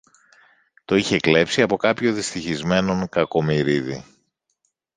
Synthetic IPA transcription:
t̪o̞içe̞kle̞psiɐpo̞kɐpço̞ðist̪içizme̞no̞ŋkɐko̞miɾiði

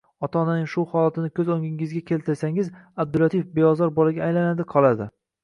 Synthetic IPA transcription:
ɒt̪ʰɒnanɪŋʃuhɒlˠat̪ʰɪnɪkʲʰɵzoŋʲɪŋɪzɡʲakʲʰe̞lt̪ʰɪɾsaŋɪzab̚d̪ʊlat̪ʰifbejɒzɒɾbɒlaɡʲaːjlanad̪ɪqʰɒlˠad̪ɪ

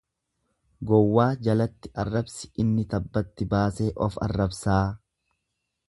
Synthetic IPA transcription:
ɡɔwːaːd͡ʒɐlɐt̪ːɪʔɐrːɐbsɪ̥ʔɪnːɪt̪ɐbːɐt̪ːɪbaːse̞ːʔɔfɐ̰rːɐbsaː

